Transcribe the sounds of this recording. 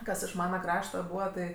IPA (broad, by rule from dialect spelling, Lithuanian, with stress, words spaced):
ˈkɐs ɪʃ ˈmɑːnɐ ˈkrɑːʃtɐ ˈbuːʋɐ tɐɪ